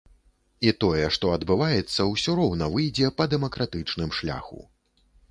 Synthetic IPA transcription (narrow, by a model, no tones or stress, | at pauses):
it̪ɔjɛʂt̪ɔɐd̪bɨvajɛt̪sːɐwsʲɔɾɔwnɐvɨjd͡zʲɛpɐd̪ɛmɐkɾat̪ɨt͡ʂnɨmʂlʲa̰xṵ